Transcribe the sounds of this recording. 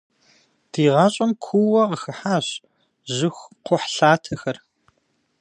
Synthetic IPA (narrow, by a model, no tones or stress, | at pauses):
d̥iːʁɑɕʼɐmkʷʰuwɐʁəxɐħaːɕ | ʑɪxʷqʷʊħɬaːtʰɐxɐr